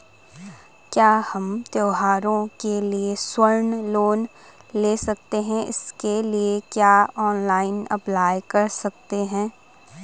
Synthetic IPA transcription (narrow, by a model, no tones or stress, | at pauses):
kjaːhɐmt̪joːɦaːɾõkelieswɐɾnloːn | leːsɐk̚t̪eɦɛ̃ɪ̰skeliekjaːɔːnlaːɪnɐ̰plaːjkɐɾsɐk̚t̪eɦɛ̃ː